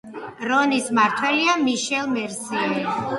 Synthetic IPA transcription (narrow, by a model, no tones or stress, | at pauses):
ɾɔnismaɾt̪ʰwɛliamiʃɛlˠmɛɾsiɛli